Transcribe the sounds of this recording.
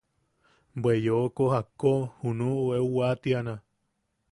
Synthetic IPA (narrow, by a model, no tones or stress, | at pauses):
bwejokohakohunuʔueuwat̪iana